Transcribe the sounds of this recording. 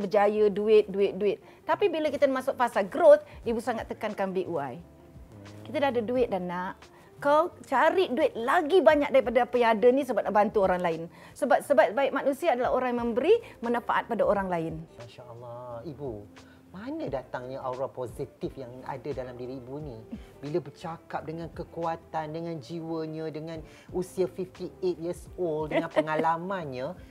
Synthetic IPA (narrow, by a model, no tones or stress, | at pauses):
bəd͡ʒajəduɪt̪̚duɪt̪̚duɪt̪̚ːapibilakit̪anmasʊk̚pasaɡɾot̪̚ibusaŋat̪ːəkankanbiʔuaj | kit̪adahdaduɪt̪̚danaʔ | kat͡ʃaɾiʔduɪt̪̚laɡibaɲak̚daɾipadaapajãŋadənĩs̬əbap̚naʔbant̪uoɾaŋlaɪn | səbap̚səbatbaɪk̚manusiaːdalaɦoɾaŋmə̃mbəɾimənãfaʔa̰t̪̚padaoɾaŋlaɪnmaʃaalːaibu | manãdat̪aŋɲaʔawɾapozit̪ifjaŋa̰dadalamdiɾiibunibilabərt͡ʃakap̚dəŋãnkəkuat̪andəŋãnd͡ʒiwəɲãdəŋãn | usiafift̪iet̪̚jisoldəŋanpəŋalamanɲə̃